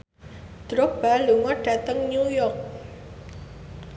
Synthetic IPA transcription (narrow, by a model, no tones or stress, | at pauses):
d̪̥ɾʊk̚b̥aluŋɔɖ̥a̤t̪əŋnujɔrk̚